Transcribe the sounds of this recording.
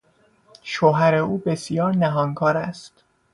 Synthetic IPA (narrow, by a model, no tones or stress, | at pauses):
ʃoːɦæɾe̞uːbe̞sjɒːɾnæɦɒːŋkʰɒːɾæst̪